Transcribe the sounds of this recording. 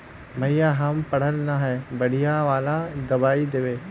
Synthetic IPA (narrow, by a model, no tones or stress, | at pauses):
mɐjaɦəmpɐɽ̤əlnaɦɛbɐɽ̤ijãʋaːlãd̪ɐbaːid̪eʋeː